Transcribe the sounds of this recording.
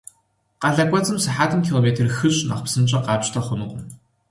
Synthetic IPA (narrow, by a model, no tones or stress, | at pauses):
qɑɮɐkʷʼɔt͡sʼɨmsɨħaːtʰɨmkʰiːloːmeːtʰɨrxɨɕʼnɐ̰χpsɨmt͡ʃʼɐqɑːpʼtʰɐχʷʊnuqʷʊm